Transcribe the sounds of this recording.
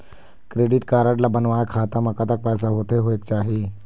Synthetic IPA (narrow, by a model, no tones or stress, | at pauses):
kɾeːɖiʈkaːɾaʈlabənʋajakʰat̪aməkat̪ak̚pəjs̬aɦot̪eɦoek̚t͡ɕaːɦi